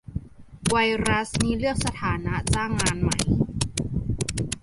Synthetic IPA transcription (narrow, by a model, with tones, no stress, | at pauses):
wa˧jɾa˦˥sniː˦˥lɯ˥˩ək̚sa˧t̪ʰaː˩˦na˦˥t͡ɕaː˥˩ŋːaː˧nma̰˨˩˦j